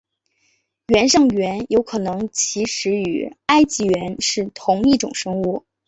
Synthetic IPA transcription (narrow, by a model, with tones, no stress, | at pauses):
ɥɛ˧˥nʂɤ˥˩ŋɥɛ˧˥njo˧˥ʊkʰɤ˨˩nɤ˧˥ŋt͡ɕʰi˧˥ʂɻ̩˧˥y̰˨˩a˥ɪt͡ɕi˧˥˩ɥɛ˧˥nʂɻ̩˥˩t̪ʰʊ˧˥ŋi˥˩ʈ͡ʂʊ̰˨˩ŋʂɤ˥ŋu˥˩